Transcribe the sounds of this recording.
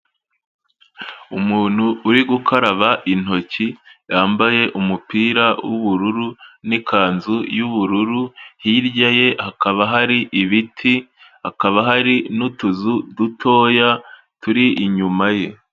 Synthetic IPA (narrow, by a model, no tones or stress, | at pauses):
umuːn̥huːɾiɡukʰaɾaβaʔin̥ho̞cijaːmbaje̞ʔumupiːɾawuβuɾuɾunikʰaːnzujuβuɾuɾuhiːɾɟaje̞hakaβaɦaɾiʔiβitʰi | hakaβaɦaɾinutuzudutʰo̞ːja | tuɾiʔːɲumaje̞